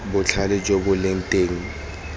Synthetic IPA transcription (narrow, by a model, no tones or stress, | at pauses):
bʊt͡ɬʰalɛd͡ʒobʊlɪn̩tʼeːŋ̩